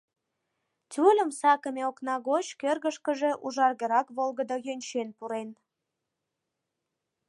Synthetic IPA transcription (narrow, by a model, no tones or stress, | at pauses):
t̪ʲulʲəmsɑkəmʲeoknɑɣot͡ɕkørɣəʃkəʒe̽ʔuʒɑrɣəɾɑkβolɣəd̪ojønʲt͡ɕenpuɾen